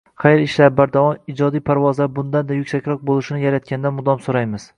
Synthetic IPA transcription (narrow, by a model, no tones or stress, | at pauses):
χajɾɪʃlabaɾd̪avɒmid͡ʒɒd̪ijpʰaɾvɒzlaɾbʊnd̪and̪ajʊkʲsakʲɾɒq̚bolˠɪʃɪnɪjaɾat̪̚kʲand̪anmʊd̪ɒmsoɾajmɪz̥